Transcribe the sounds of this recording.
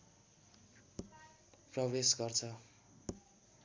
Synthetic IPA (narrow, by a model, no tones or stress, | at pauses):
prʌbesɡʌrt͡sʰʌ